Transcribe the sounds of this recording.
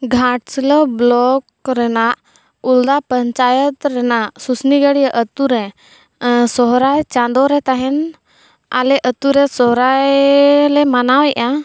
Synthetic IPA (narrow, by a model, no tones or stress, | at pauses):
ɡʱaʈslɔblɔkɾɛnaʔ | uld̪apəɲt͡ʃajət̪ɾɛnaʔsusniɡəɽijaʔət̪uɾɛ | sɔɦɾajt͡ʃãnd̪ɔɾɛt̪aɦɛn | a̰lɛʔət̪uɾɛsɔɦɾajlɛmanawɛʔa